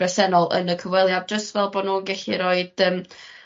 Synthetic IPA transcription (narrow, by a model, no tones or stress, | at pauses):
ɛsɛnɔlˠə̰nəkʰəvwɛlˠjad̚d͡ʒəstvɛlˠbɔːdnuːənɡɛɬiɾoːɨd̥əːm